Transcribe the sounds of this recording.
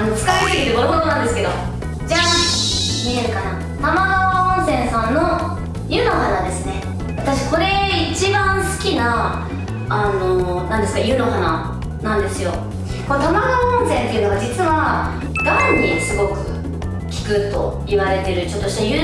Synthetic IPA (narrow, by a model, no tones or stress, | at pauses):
ano̞t͡sɨ̥kaet̪ekiɾɯɡoɾɯmod̪onãnd̪e̞sɨ̥ke̞d̪o̞̰ | d͡ʑa | mʲieɾɯ̟kana | t̪amaɡaaõɰ̃sẽ̞ɰ̃sãnːo | jɯ̟no̞hanad̪e̞sɨne̞ | βat̪aɕi̥ko̞ɾe̞it͡ɕibãɰ̃sɨ̥kʲinaː | no̞nãnd̪esɨ̥kajɯ̟no̞ɦana̰ | nãnd̪e̞sɨjo̞ | kot̪amaɡaõɰ̃sẽ̞nt̪e̞iɯ̟no̞βad͡ʑit͡sɨβa | ɡ̪ãɲ̟ːisɨɡo̞kɯ̟̰ | kʲi̥kɯ̟t̪o̞ | iβaɾe̞t̪e̞ɾɯ̟t͡ɕo̞t̪ːo̞ɕi̥t̪ajɯ